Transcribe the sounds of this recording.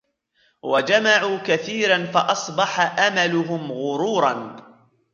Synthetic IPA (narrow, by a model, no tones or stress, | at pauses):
wad͡ʒamaʕuːkaθiːɾanfaʔɑsˤbɑħaʔamalʊɦʊmɣʊɾuːɾˤɑn